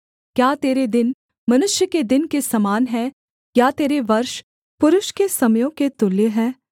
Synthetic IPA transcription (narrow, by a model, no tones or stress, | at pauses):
kjaːt̪eːɾed̪ɪn | mɐnʊʃjəked̪ɪnkesɐmaːnɦɛː | jaːt̪eːɾeʋɐɾʃ | pʊɾʊʃkesɐməjõket̪ʊleɦɛː